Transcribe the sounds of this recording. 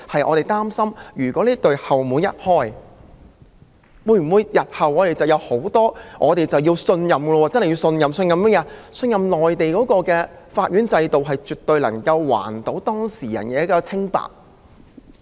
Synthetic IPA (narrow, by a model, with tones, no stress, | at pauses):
hɐ˨jʔɔ̰˨˧ɾe˨jt̪aː˥msɐ˥mjyː˨˩kʷɔː˨˥niː˥t̪ɵ˨ɥhɐ˨˩wmuː˨˥njɐ̰˥t̚hɔː˥j | wuː˧jm̩˨˩wuː˨˧jjɐ˨t̚hɐ˨wʔɔː˨˧t̪e˨jt͡sɐ˨wjɐ˨˧who˨˥wt̪ɔː˥ŋʔɔː˨˧t̪e˨jt͡sɐ˨wjiː˧wsɵ˧njɐ˨˩mɡɛ˧wɔ˧wɔː˧t͡snhɐ˨ji˧wsɵ˧njɐ˨msɵ˧njɐ˨m˥jɛː˨˧sɵ˧njɐ˨mlɔː˨jt̪e˨jkɔː˨˥kɔː˧kɛː˧faː˧t̚ɥyː˨˥nt͡sɐ˧jt̪o˨wɦɐ˨jt͡ʃyː˨t̪̚ɵ˨˧ɥlɐ˨˩ŋkɐ˧wːwa̰ː˨˩nt̪o˨˥wt̪ɔː˥ŋsiː˨˩jɐ̰˨˩nkɛː˨˥kɔː˧t͡sʰɪ˥ŋpa̰ː˨k̚